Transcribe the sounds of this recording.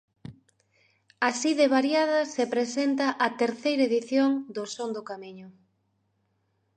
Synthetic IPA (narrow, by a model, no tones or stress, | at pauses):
asiðeβaɾjaðɐsepɾesent̪ɐʔɐt̪eɾθejɾɐeðiθjoŋd̪ʊsond̪ʊkamiɲʊ